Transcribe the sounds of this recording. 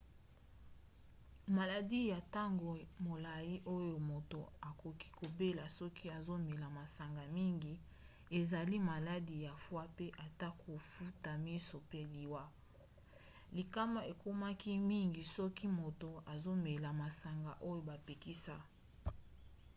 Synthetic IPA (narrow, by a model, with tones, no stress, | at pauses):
ma˨la˨di˦ja˨ta˦ŋɡo˨mo˨la˨ji˦ʔo˦jo˨mo˨to˨a˨ko˨ki̥˦ko˨be˦la˨sɔ˦ki˦a˨zo˦me˨la˨ma˨sa˨ŋɡa˨mi˦ŋɡi˨ | e˨za˨li˦ma˨la˦di˨ja˨fwa˦pe˦ʔa˨ta˦kʰo˨fu˦ta˨mi˦so˨pe˦li˨wa˦ | li˨ka˦ma˨e˨ko˦ma˦ki˦mi˦ŋɡi˨sɔ˦ki˦mo˨to˨a˨zo˦me˨la˨ma˨sa˨ŋɡa˨ʔo˦jo˨ba˨pe˨ki˦sa˦